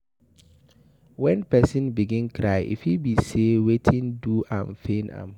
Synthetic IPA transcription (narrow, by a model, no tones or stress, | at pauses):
wɛ̃npʰɛsɪ̃nbiɡɪ̃nkʰɾaɪʔḭfibisewetʰɪ̃nduʔã̰nfẽnã̰m